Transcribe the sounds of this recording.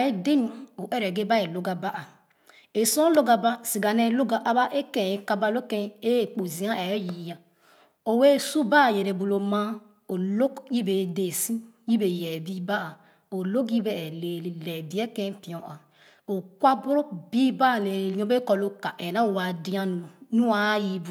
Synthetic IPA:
e˦di˦n˨o˨ʔe˦ɾe˨ɡe˦ba˦e˨lo˦ɡa˦ba˦ʔa˨ | e˨sõ˦lo˦ɡa˨ba˦si˨ɡa˨ne˦lo˦ɡa˨ʔa˦ba˦ʔe˦kẽ˨e˦ka˦ba˦lo˦ke˦e˦˨k͡po˨zi˨a˦e˨˦ji˨ja˨ | o˨we˦˨su˦ba˦˨je˨ɾe˨bu˨lo˨ma˦ | o˨lo˦kji˦be˨de˨sĩ˦ji˦be˨jɛ˨bi˦ba˦a˨ | o˨lo˦k̬ji˦be˨le˨li˨lɛ˨bi˨˦e˦kẽ˦pi˨õ˨ʔa˨ | o˨kwa˦bu˦ɾo˦k̚bi˦ba˦˨le˨˦õ˦be˦kɔ˨lo˦ka˨ʔe˨na˦˨wa˨di˦a˦nu˨nu˦a˦ji˦bu˨

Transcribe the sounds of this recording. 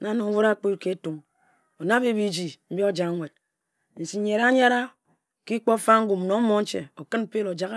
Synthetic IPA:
na˨˦no˨ŋ˦wu˦ɾa˦k͡pi˦tke˦tu˨m | o˨na˦be˦bi˦d͡ʒi˨m̩˦bi˦o˦d͡ʒa˨˦ŋʷe˨d̚ | n̩˨si˨˦ɲe˨ɾa˦ɲa˦ɾa˦ | ki˦k͡po˦fa˦ŋ̩˦ɡu˨m˨no˨˦mo˦n̩˦t͡ʃḛ˨o˨kɨ˦nm̩˦pe˦lo˨d͡ʒa˨k

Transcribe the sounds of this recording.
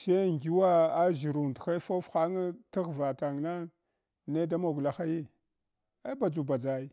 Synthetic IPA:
se˦˨ŋ˨ɡi˦wa˦a˦ʒi˨ɾu˨n˨txa˦fo˦fxa˦ŋ˦ti˦ɣva˨ta˨ŋ˨na˦ | ne˦da˦mo˨ɡu˨la˦xa˦ji˦ | a˦ba˨d͡zu˨ba˨d͡za˨i˦

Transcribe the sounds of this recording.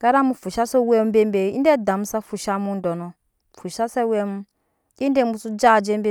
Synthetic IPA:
ɡ̥a˦ɾa˦mu˦fu˨ʃa˦sɔ˦we˦m˦be˦m˦be˨˦ḭ˦nde˦˨da˨m̩˦sa˦fu˨ʃa˦mu˦n˦dɔ˨nɔ˨ | fu˨ʃa˦sɛ˦we˦mu˦ | i˦nde˦mu˦su˦d͡ʒa˦˨d͡ʒe˦mbe˦

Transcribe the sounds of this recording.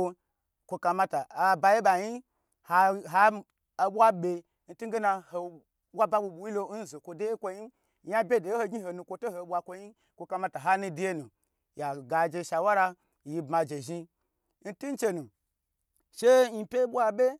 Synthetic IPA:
o˧ | kʷo˧ka˧ma˧ta˨a˨ba˧je˦ɓa˨ɲi˦ | ha˧ɦa˦ | a˨ɓʷa˦ɓʲe˧ | n̩˦tu˦ɡe˦na˧ho˨ | ɓʷa˦ba˦ɓu˧ɓu˨ji˦lo˧˦n̩˦zo˨kʷo˧de˦je˦kʷo˧ɲi˦ | ja˦bʲe˦de˨jho˧ɡʲi˦ho˨nu˧kʷo˧to˦ho˨˦ɓʷa˧kʷo˧ɲi˦ | kʷo˧ka˧ma˧ta˨ɦa˦nu˧di˦je˦nũ˨ | ja˨ɡa˨d͡ʒe˧˨ʃa˨wa˦ɾa˧ | ji˧bma˧d͡ʒe˨ʒi˧ | n̩˦tu˦n˦t͡ʃe˧nũ˨ | ʃe˦ɲi˧pʲe˦ɓʷa˧ɓʲe˦

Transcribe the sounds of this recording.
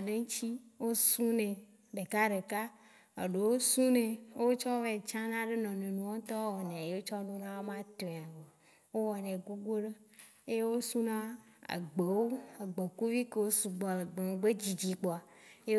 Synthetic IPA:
ɖe˦ŋ̩˦t͡ʃi˦wo˦su˦nẽ˨ | ɖe˨ka˦ɖe˨ka˦ | e˨ɖe˨wo˦sũ˦nẽ˨˦o˦t͡ʃɔ˦ve˨t͡ʃã˦nã˦ɖe˦nɔ̃˨nẽ˨nũ˨wo˦t̪ɔ˦wɔ˨nẽ˨je˦wo˦t͡ʃɔ˦nũ˦nã˦wo˦mã˦t̪õ˨a˨ve˨ | wo˦wɔ˨nẽ˨ɡo˦ɡ͡bo˦ɖe˦ | e˦je˦wo˦su˦nã˦a̰˨ɡ͡be˨wo˦a˨ɡ͡be˨ku˦vi˦ke˨wo˦su˨ɡ͡bɔ˨le˨ɡ͡be˨ŋ˨ɡ͡be˦d͡ʑi˨d͡ʑi˨k͡pɔ˨a˨ | je˦

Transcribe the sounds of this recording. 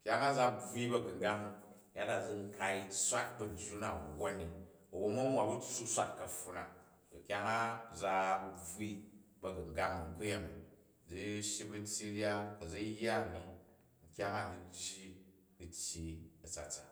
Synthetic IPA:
kʲa˦ŋa˦d͡za˦b͡vʷi˦bɐ˨ɡu˨ŋ˨ɡa˦ŋ | ja˦da˨d͡zi˦ŋ̩˦ka˧i˦sʷa˦t̚bɐ˨n˨tʲu˦na˨wo˦nːi˨ | ɐ˨wo˦˧mu˦wa˨bu˦t͡sːu˦sʷa̰˦tkɐ˨ɸːu˦na̰˨ | o˨kʲa˦ŋa˦d͡za˧bb͡vwi˦bɐ˨ɡu˨ŋɡa˦ŋŋ̩˦ku˦je˦m˨ | d͡zi˦ʃji˦bu˦n˦tʲji˦ɾja˦kɐ˨d͡zi˦ja˦˨ni˦ | ŋ̩˨kʲa˦ŋa˦˨ni˨d͡ʒːi˦ | ɡu˨tʲji˦ɐ˨t͡sa̰˨t͡sa˨

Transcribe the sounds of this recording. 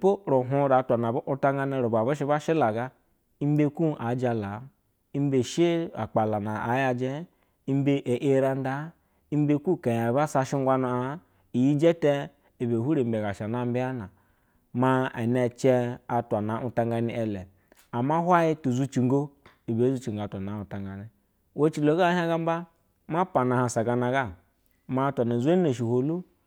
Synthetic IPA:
po˦ɾo˨ɦu˦ɾa˨˦tʷa˨na˨bʔu˦ta˦ŋ˦ɡa˦ni˦ɾo˨ba˨bu˦ʃ̬i˦ba˦ʃi˦la˨ɡa˦ | i˦m˦be˦ku˦ʔa˨˦d͡ʒa˨la˨˦ | i˦m˦be˨ʃe˦a̰˨k͡pa˨la˨na˨a˨˦ja˧d͡ʒɛ˦ | i˦m˦be˦ʔe˨ʔe˦ɾa˦n˦da˦ | i˦m˦be˦ku˦˨ka˨ja˨ba˦sa˧ʃi˦ŋ˦ɡʷa˦na˨a˨˦ | i˨ji˦d͡ʒe˦tɛ˦ | i˨be˨hu˦ɾe˨be˨ɡa˨ʃa˨na˦m̩˦bi˦a˦na˨ | ma˦a˨ne˨t͡ʃɛ˦a˨tʷa˨na˨ʔu˦ta˦ŋɡa˦ni˦ʔɛ˨lɛ˨ | a˨ma˦hʷwa˦ji˦tu˨zu˦t͡ʃi˨ŋɡo˦ | i˨be˨˦zu˦t͡ʃi˨ŋɡo˨a˨tʷa˨na˨˦u˨ta˨ŋɡa˨ni˦ | wo˦t͡ʃi˨lo˨˦ɡa˦ha˦ɡa˦m˦ba˦ | ma˦pa˨na˨ha˨sa˨ɡa˨na˨ɡa˦ | ma˦tʷa˨na˨zʷe˦ne˨ʃ̬i˨ho˨lu˦

